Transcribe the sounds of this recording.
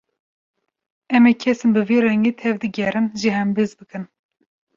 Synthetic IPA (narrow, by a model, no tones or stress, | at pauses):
ɛmɛkʲʰɛsɨnbɨveːrɛŋɡeːt̪ʰɛvd̪ɨɡʲɛɾɨnʒiɦɛmbɨzbɨkɨn